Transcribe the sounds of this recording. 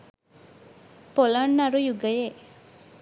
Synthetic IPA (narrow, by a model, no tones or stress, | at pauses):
poləɳːaɾujuɡəje